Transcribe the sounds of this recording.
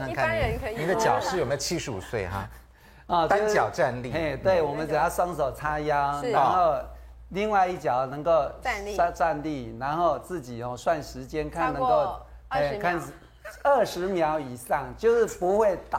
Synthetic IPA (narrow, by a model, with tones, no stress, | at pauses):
a˧˦kʰa˥˨˥ə˧˦n˧ni˨˦d̪ə˦˧t͡ɕjɑ̰˨˩ʊʂ̩˥˨o˨me˧˥˨t͡ɕʰi˦˥ʂɻ̩˧˦ṵ˨˩swe˥˩ɪɦa̰˧˩ | ɔ˥˧˩t͡ɕ̪nt͡ɕjɑ˨˩ʊʈ͡ʂa˥˧nli˥˨e˥˩t̪we˥˩ɪwɔ˨˩mə˨˦n̩˨˩jɑ˥˩ʊʂwɑ˥ŋso˨˩ʊt͡sʰa˥jɑ˥na˧˦˧xo˥˧ʊ | li˥˧ŋwa˥˧ɪi˥˩t͡ɕjɑ˨˩ʊnɤ˧˥ŋko˥˧ʊ˧˥˧t͡sa˥˧nli˥˩na˧˥nxo˥˧ʊt͡sɹ̩˥˩t͡ɕi˨˩hɔ˨˧swa˥˧nʂɻ̩˧˥t͡ɕjɛ˥nkʰa˥˩nnːə˧˦˥ŋko˥˧ʊ | e˥kʰa˥˧n | ə˥˩ʂɻ̩˧˦mjɑ˧˥ʊi˨˩sɑ˥˩ŋt͡ɕjo˥˧ʊʂɻ̩˥˩pu˧˦˥xwe˥˩ɪt̪